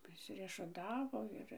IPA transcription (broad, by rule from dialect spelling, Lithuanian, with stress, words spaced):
pʲrʲɪsʲɪrʲiɛʃʊˈtɑːʋoː ˈɪr